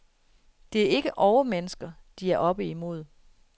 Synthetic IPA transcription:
d̥e̝æɐe̝ɡ̥əʔɒʊmenəsɡ̥ɐd̥iæɐʔɒ̽b̥əimo̝ð̞̰ˠ

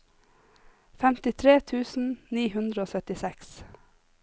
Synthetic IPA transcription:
fɛmt̪ɪt̪ʰɾeːt̪ʰʉːsn̩niːhʉnd̪ɾəoːsœt̪ɪsɛks

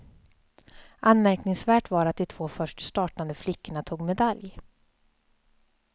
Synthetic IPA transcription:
ʔanmæɾknɪŋsvæːʈvaɾat̪̚d̪ɛt̪ʰvoːfœʂʈst̪ɑːʈand̪əflɪkːəɳat̪ʰuːɡmɛd̪alj

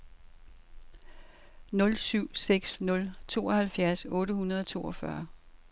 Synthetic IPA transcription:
nɔ̽lsyʊ̰seɡ̥snɔ̽lt͡sʰo̝̰ːɒ̽hælfjæɐsɔ̽ːɾəhunɐð̞ˠɒt͡sʰo̝̰ːɒfɶɐ

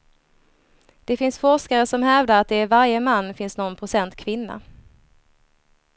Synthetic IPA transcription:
d̪̥ɛfɪnsfɔʂkaɾəsɔmɦɛvd̪əɾat̪̚d̪ɛæɾvaɾjəmanːfɪnsnɔnpʰɾʊsɛnt̪kʰvɪnːa̰

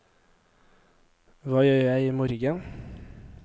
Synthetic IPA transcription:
ʋɑːjøːjæɪiːmɔɾɡən

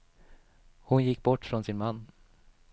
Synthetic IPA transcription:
hʊnjɪkːbɔʈːfɾɔnsɪnmanː

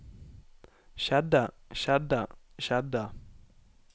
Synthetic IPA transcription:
ʃada | ʃada | ʃada

